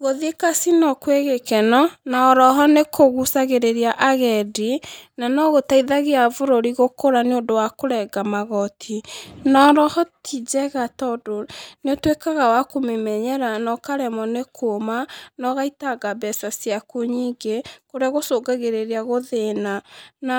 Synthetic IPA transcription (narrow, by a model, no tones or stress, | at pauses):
ɣoðiekasinɔkweɣekɛnɔnaɔɾɔɦɔnekoɣusaɣeɾeɾiaʔaɣɛdinanɔɣotaiðaɣeavoɾoɾiɣokoɾaneondowakoɾɛɡamaɣɔtʰinɔɾɔhɔtʰid͡ʒɛɣatɔdoneotwekaɣawakomemɛɲɛɾanɔkaɾɛmɔnekʰomanɔɣaitaɡabɛsasiakoɲiːŋɡekoɾeaɣosoːɡaɣeɾeɾiaɣoðenana